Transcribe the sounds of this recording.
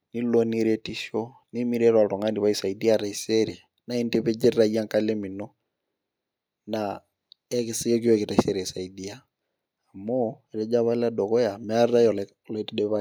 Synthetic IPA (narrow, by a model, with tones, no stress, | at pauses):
ni˦lɔniɾɛ˦ti˦ʃɔ˦ | ni˦mi˦ɾɛɾwa˨lɔ˨ŋa˦ndi˨βa˦i˨sa˨idi˦aɾa˨i˨sɛɾi | na˦i˦ntɛβɛ˦d͡ʒɛ˦ɾɾa˦i˦a˦ŋka˦lɛ˦mi˨nɔ˦ | na | ɛ˦ki˦si˦jɔ˦k̬i˦wɛki˨ta˨isɛ˨ɾɛ˨sa˨i˨dia˦ | a˨mɔ˦ɛ˨ɾɛ˦d͡ʒa˦βa˦la˦dɔ˨kɔ˦ja˨mɛ˦a˦rɾa˦jɔ˨l | lɔɛtidɛ˦βa